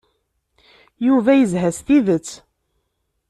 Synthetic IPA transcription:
juvæjəzɦæsθiðət͡sː

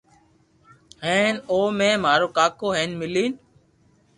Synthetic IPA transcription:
ɦeːnoːmẽːmaːɾoːkaːkoːɦeːnmɪliːn

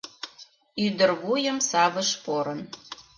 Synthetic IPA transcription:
yd̪ərβujəmsɑβəʃpoɾən

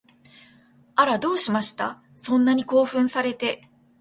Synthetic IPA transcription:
aɾad̪o̞ːɕimaɕi̥t̪a̰ | sõ̞nːaɲ̟iko̞ːɸɯ̟̃ɰ̃saɾe̞t̪e̞

